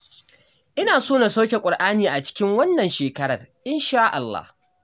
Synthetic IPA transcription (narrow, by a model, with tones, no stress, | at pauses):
ʔɪ˦naː˨soː˦na˨sa˦wkʲe˨kʷʼʊ˨rʔaː˦niː˨ʔa˨t͡ʃɪ̥˦kʲɪ˦ŋwɐ˦nːɐ˨nʃeː˨kɐ˦ɽɐ˨rʔɪ˦nʃaː˦ʔa˨lːa̰˦h